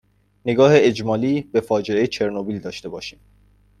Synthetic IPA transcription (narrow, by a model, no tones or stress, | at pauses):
ne̞ɡɒːheed͡ʒmɒːliːbe̞fɒːd͡ʒeejet͡ʃʰe̞ɾnobiːld̪ɒːʃt̪e̞bɒːʃiːm